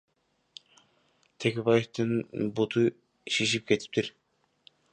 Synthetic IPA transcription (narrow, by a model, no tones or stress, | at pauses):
t̪ʰekʲeβajeft̪ɯnbut̪ʰɯ | ʃiʃ̬ip̚ke̞t̪ʰi̥p̚t̪iɾ